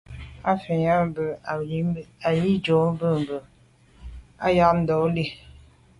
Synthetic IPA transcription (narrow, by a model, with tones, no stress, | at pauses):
a˦fe˨ɲa˦mbə˨˦a˨ji˦d͡ʒo˨˦m˦bə˦˨m˨bə˨ | a˦ja˦ʔn̩˦dɔ˨˦li˦